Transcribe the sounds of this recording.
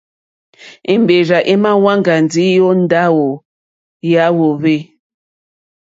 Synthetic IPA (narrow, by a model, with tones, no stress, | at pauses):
i˨m˨be˨ɾa˨ʔi˦ma˦wa˦ŋ˨ɡa˨n˨d͡zi˨˦jo˦n̩˦da˦wo˨ | ja˦wo˨βe˦